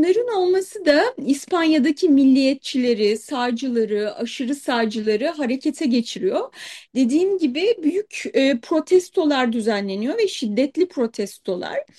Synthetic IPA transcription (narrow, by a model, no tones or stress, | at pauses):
nˠaɾɯno̞lˠmasɯd̪aispʰanjad̪acʰimilʲːijɛt̪̚t͡ʃʰilʲeɾisaːd͡ʒɯlˠaɾɯaʃɯɾɯsaːd͡ʒɯlˠaɾɯɦaɾe̞cʰe̞t̪ʰɛɟe̞t͡ʃʰiɾijo̞d̪e̞d̪iːnɟibɪbyjycːpʰɾo̞t̪ʰɛst̪ʰo̞lˠaɾd̪yzænlʲe̞nijo̞vɛʃid̪ːɛt̪lʲipʰɾo̞t̪ʰɛst̪ʰo̞lˠa̰ɾ̥